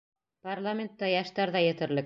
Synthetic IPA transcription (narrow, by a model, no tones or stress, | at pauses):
parlˠamʲent̪ːɑjɑʃt̪ɑɾðɑjɘ̆t̪ɘ̆ɾlɘk̚